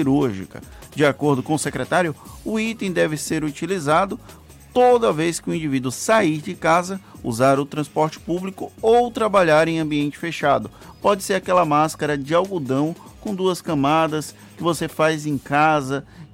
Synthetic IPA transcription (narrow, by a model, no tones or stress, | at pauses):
iɾuɾʒḭkɐ̰d͡ʒɪakoɾd̪ʊkõʊsekɾɛt̪aɾjʊʊit̪ẽj̃d̪ɛvɪseɾut͡ʃilizad̪ʊ | t̪od̪ɐvejskɪʊĩd͡ʒivid̪ʊsaiɾd͡ʒɪkazɐṵzaɾʊt̪ɾɐ̃spɔɾt͡ʃɪ̥publikʊowt̪ɾabaʎaɾẽj̃ɐ̃mbiẽnt͡ʃɪ̥feʃad̪ʊ | pɔd͡ʒɪseɾakɛlɐmaskɐɾɐd͡ʒɪawɡud̪ɐ̃w̃kõd̪uɐskɐ̃mad̪ɐs | kɪvosefajzẽj̃kazɐ